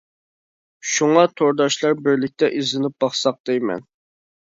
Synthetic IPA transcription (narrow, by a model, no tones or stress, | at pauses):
ʃuŋɑt̪ʰoɾd̪ɑʃlˠɑɾbɪɾlɪk̚ʲt̪ɛʔizlɪnɪp̚b̥ɑχsɑq̚d̪ejmɛ̰n